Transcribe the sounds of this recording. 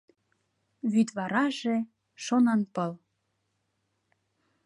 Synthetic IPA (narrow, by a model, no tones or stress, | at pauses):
βyt̪βɑɾɑʒe | ʃonɑnpəl